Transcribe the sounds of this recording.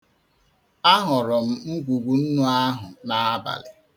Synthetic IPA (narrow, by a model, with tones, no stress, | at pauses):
a˦ɦʊ˨ɾʊ˨m̩˦m̩˦ɡʷu˨ɡʷu˨n̩˦nʊ˦a˦ɦʊ˨na˦a˦ba̰˨lɪ˨